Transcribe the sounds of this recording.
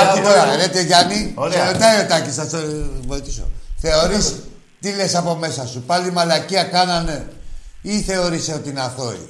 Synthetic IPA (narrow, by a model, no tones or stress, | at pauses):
kit̪oɾɐlet̪eʝɐnioot̪ɐio̞t̪ɐcisθɐsovoit̪i̥so̰θe̞o̞ɾis | t̪ile̞sɐpo̞me̞sɐsupɐlimɐlɐciɐkɐnɐne | iθe̞o̞ɾiseo̞t̪inɐθo̞ḭ